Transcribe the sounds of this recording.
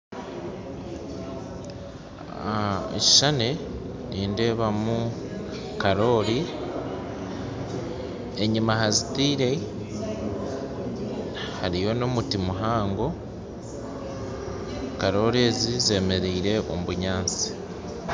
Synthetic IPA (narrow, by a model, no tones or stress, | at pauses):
ḛci̥ʃane | niːnde̞ːβamu | kaɾo̞ːɾi | eɲimaɦazitiːɾe̞ | haɾijo̞no̞mutimuɦaːŋɡo̞ | kaɾo̞ːɾe̞ːzize̞me̞ɾiːɾe̞ʔo̞̰muβuɲaːnt͡si̥